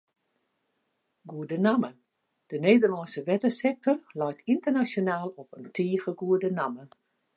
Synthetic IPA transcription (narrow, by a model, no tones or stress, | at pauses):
ɡuədənamə | d̥əneːdərlɔnsəʋɛtəsɛk̚tɔrlɔjtʰintərnasjonaːlˠɔpəntʰiːɣəɡuədənamə